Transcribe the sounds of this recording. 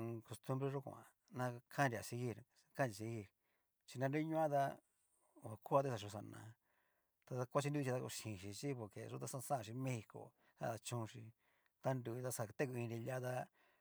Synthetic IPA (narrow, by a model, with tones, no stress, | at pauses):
ko˧st̪u˦mbɾe˧ʐu˦kṵ˧˨ã̰˨ | nã˧kʰa˦nɾi˧˨a˨si˧ɣi˦˨ɾ | ka˦n˨i˨s̬i˧ɣi˦˨ɾ | t͡ʃi˧nã˧nɾu˦i˦ɲũ˦ã˦ða˦˨ | a˨ku˦a˧t̪e˦sa˨ʃ̬u˧s̬a˧nã̰˨ | t̪a˧ða˧kʷa˦t͡ʃi˧ndu˦˧t͡ʃi˧a˧ku˧ʃĩ˨ʃi˧t͡ʃi˦po˧ɾkḛ˨ʐu˦t̪a˧sã˦˧sã˦˧i˧mẽ˦hi˧ko̰˨ | sa̰˦˧˨ða˧t͡ʃũ˧ʃi˧ | t̪a˦nd̪u˧˨i˧t̪a˦sa˧t̪e˦ku˧ĩ˧nɾi˧la˦ða˦